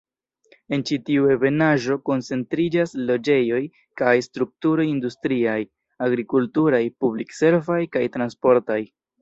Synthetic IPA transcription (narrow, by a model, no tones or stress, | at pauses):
e̞nt͡ʃitiue̞ve̞naʒo̞ko̞nt͡se̞ntɾid͡ʒaslo̞d͡ʒe̞jo̞j | kajstɾuk̚tuɾo̞jindustɾiaj | aɡɾikultuɾajpublikse̞ɾvajkajtɾanspo̞ɾtaj